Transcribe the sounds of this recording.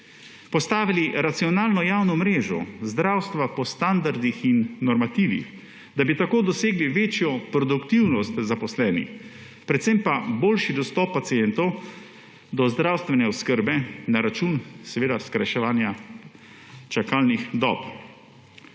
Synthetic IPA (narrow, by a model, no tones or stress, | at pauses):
pɔst̪aːʋiliɾat̪siɔnaːlnɔjaːwnɔmɾeːʒɔ̰zd̪ɾawst̪ʋapɔst̪and̪aɾd̪ixinːɔɾmat̪iːʋḭx | d̪abit̪akoːd̪ɔseːɡliʋeːt͡ʃjɔpɾɔd̪ukt̪iwnɔst̪zapɔslɛːnḭx | pɾɛt̪sempaboːlʃid̪ɔst̪ɔpːat̪sijɛnt̪ɔw | d̪ɔzd̪ɾawst̪ʋɛnɛɔskəɾbɛnaɾat͡ʃunsɛʋeːd̪askɾaʃɛʋaːnja | t͡ʃakalnixd̪ɔ̰ːp